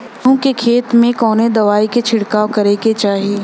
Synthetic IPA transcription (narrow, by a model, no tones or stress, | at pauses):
ũkekʰeːt̪mẽkɔːned̪ɐʋaːiket͡ʃʰɪɽkaːokɐɾeket͡ʃaːɦieː